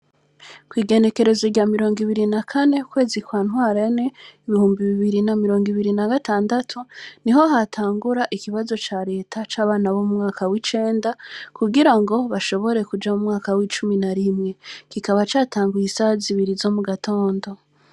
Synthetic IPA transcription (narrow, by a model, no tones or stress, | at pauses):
kwiːɡe̞ne̞ke̞ɾe̞zoɾɟaːmiɾo̞ːŋɡiβiɾinakʰane̞ukwe̞ːzikwaːn̥waːɾene̞iβihuːmbiβiβiɾinamiɾo̞ːŋɡiβiɾinaɡataːndatʰuniɦo̞ɦatʰaːŋɡuɾaʔikiβazo̞t͡ʃaɾe̞ːtʰat͡ʃaːβaːnaβomumŋaːkawit͡ʃe̞ːndakuɡiɾaŋɡo̞βaʃo̞βo̞ɾe̞kud͡ʒamumŋaːkawit͡ʃuminaɾimŋe̞kikaβat͡ʃaːtaːŋɡujisaziβiɾizo̞muɡatʰo̞ːndo̞